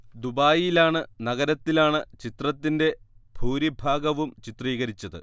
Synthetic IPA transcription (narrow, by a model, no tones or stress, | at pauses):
d̪ubaːjilaːɳɨnɐɣɐɾɐt̪ːilaːɳɨt͡ɕit̪rɐt̪ːinde̞b̥ʱuːɾibʱaːɡɐʋumt͡ɕit̪riːɣɐɾit͡ɕːɐðɨ̰